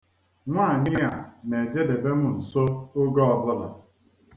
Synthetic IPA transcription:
ŋʷa˦˨ɲɪ˦ja˨ne˨d͡ʒe˦de˨be˦mʊ˨n̩˨so˦ʊ˦ɡɔ˦ɔ˨blɔ˦da˨

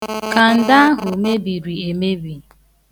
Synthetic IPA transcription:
ka˨n̩˨da˦a˦ɦʊ˨me˦bi˨ɾi˨e˨me˦bi˨

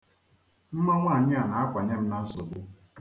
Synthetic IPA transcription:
m̩˦ma˦ŋʷaː˦˨ɲɪ˦a˨na˨a˦kʷa˨ɲe˦m̩˦na˦n̩˦so˨bʊ˦

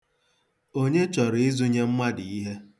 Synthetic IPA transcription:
o˦ɲe˦t͡ʃɔ˨ɾɪ˨ɪ˦zu˦ɲe˦m̩˦ma˦dɪ˨i˦ɦe˦

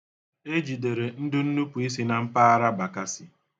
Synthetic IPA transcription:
e˦d͡ʒi˨de˨ɾe˨n̩˦dʊ˦n̩˦nu˦pu˨i˦s̬i˦na˨m̩˦pa˦a˦ɾa˦ba˨ka˦sɪ˨

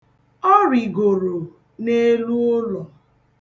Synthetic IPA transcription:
ɔ˦ɾi˨ɡo˨ɾo˨ | ne˦lu˦ʊ˦lɔ˨

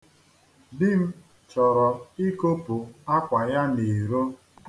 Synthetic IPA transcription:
dɪ˦m̩˦ | t͡ʃɔ˨ɾɔ˨i˦ko˦pu˨a˦kʷa˨ja˦ne˨ɾo˦

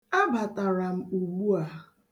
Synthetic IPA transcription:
a˦ba˨ta˨ɾa˨m̩˦u˨ɡ͡bu˦a˨

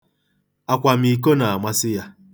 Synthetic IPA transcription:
a˨kʷa˨m̩i˨k̬o˦na˨a˨mʷa˦sɪ˦ja˦

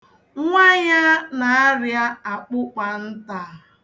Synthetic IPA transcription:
ŋʷa˦ɲa˦na˨a˦ɾja˦a˨k͡pʊ˦k͡pa˨n̩˦ta˨

